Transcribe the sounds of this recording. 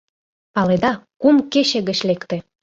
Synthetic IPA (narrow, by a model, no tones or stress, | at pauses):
pɑled̪ɑkumkeɕĕɣə̆t͡ɕlekt̪ĕ